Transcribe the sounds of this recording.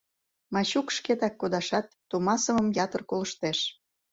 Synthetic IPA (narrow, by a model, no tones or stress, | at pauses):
mɑɕukʃket̪ɑkːod̪ɑʃɑt̪ːomɑsəmə̆mjɑt̪ərkoləʃt̪eʃ